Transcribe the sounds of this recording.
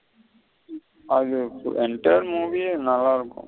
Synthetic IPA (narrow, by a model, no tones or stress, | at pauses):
ɐðɯ̰ɛɳʈɐjɐɾmuːʋinɐlːaːɪɾɯkːʊ̰̃